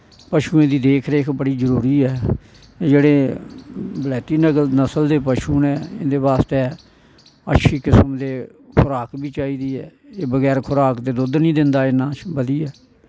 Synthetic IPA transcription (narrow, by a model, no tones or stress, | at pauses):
pəʃuːẽːd̪iːd̪eːkʰɾeːkʰbəɽiːzəɾuːɾiːɛː | d͡ʒeːɽeː | bəlɛːt̪iːnənəsəld̪eːpəʃuːnɛːɪ̰̃nd̪eːbaːst̪eː | ə̰tːʃʰiːkɪsmd̪eː | kʰʊɾaːkbiːt͡ʃaːiːd̪iːɛːeːbəɡɛːɾkʰʊɾaːkd̪eːd̪ʊd̪nĩːd̪ɪnd̪aːɪnãːt͡ʃbəd̪iːɛː